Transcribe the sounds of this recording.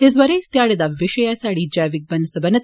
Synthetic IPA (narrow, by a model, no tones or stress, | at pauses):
izʋɐɾest̪jaːɽɐd̪ɐʋiʃɐjasaːɽid͡ʒɐjʋik̚bɐnɐsɐbɐnɐt̪